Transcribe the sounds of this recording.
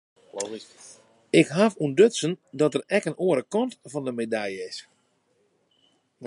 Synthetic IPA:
ɪkɦafundøsəndɔtərɛkənoəɾəkɔntfɔndəmedajəɪs

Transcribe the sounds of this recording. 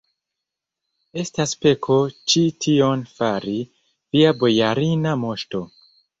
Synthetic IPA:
e̞staspe̞kʰo̞t͡ʃitʰio̞nfaɾi | viabo̞jaɾinamo̞ʃto̞

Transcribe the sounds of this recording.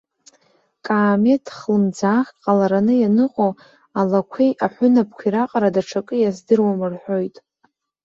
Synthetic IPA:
kʼaːme̞tʰχlɨmd͡zaːχʲqʼalaɾanɨjanɨqʼo | alakʷʰejʔaħʷʊnap̚ʰkʷʰiɾaqʼaɾadaʈ͡ʂʰakʼɨjazdɨrwamɨrħʷᶣo̞jtʼ

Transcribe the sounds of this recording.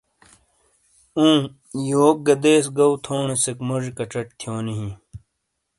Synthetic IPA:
ũː | joːk̚ɡɐd̪eːsɡɐwt̪ʰoːɳesekmoʐikɐʈ͡ʂɐʈ̚t̪ʰjoːniɦĩ

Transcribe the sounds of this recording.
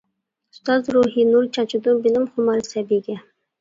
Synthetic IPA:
ʊst̪ɑzɾuɦinuɾt͡ʃʰɑt͡ʃʰud̪ubilɪmχʊmɑɾsæbiɡʲɛ

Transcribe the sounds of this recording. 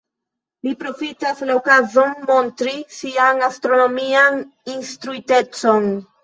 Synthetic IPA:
lipɾo̞fitaslaokazo̞nmontɾisianastɾo̞no̞mianinst̪ɾuite̞t͡so̞n

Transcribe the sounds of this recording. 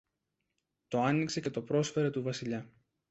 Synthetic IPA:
t̪o̞ɐnikse̞ce̞t̪o̞pɾo̞sfe̞ɾe̞t̪uvɐsiʎɐ

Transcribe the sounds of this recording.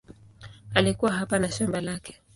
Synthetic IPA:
alikuwaɦapanaʃambalakʰɛ̥

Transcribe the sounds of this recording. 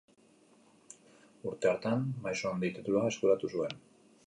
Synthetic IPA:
uɾt̪e̞oɾt̪anmajsoand̪it̪et̪ulae̞skuɾat̪usue̞n

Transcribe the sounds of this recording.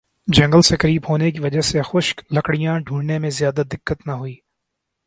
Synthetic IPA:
d͡ʒɐ̃ŋɡəlsekɐɾiːbɦoːnekiʋɐd͡ʒəɦsexʊʃklɐkɽijãɖʱũːɽnemẽzjaːd̪ad̪ɪkːət̪nɐɦʊiː

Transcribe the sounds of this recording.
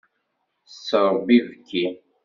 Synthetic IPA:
səɾˤbivkʰːi

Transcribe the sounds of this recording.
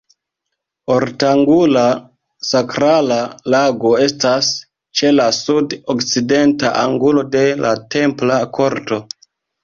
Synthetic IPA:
o̞ɾtaŋɡula | sakɾalalaɡo̞e̞stas | t͡ʃe̞lasudokt͡side̞ntaʔaŋɡulo̞de̞late̞mplakʰo̞ɾto̞

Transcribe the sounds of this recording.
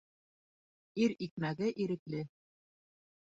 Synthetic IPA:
iɾik̚mæɡɘʔiɾɘ̆klɘ

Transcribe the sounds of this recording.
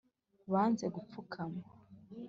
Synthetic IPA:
βaːnze̞ɡup͡fukʰama

